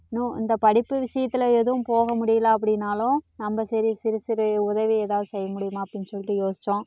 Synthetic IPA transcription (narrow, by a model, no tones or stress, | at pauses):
nːũɪ̰nd̪ɐpɐɽɪpːɯʋɪʂɐjɐt̪ːɪlɐɛðɯʋʊ̃mpoːɣɐmʊɽɪjɐlaːɐp̬ːɐɽɪnːaːlʊ̃nɐmbɐsɐɾisɪɾɯsɪɾɯʊðɐʋieːðaːʋðɯsɛjːɐmʊɽɪjɯmaːɐpːɐɽɪnːsɔlːɪʈ̪ːɯjoːsɪ̥t͡ʃːõː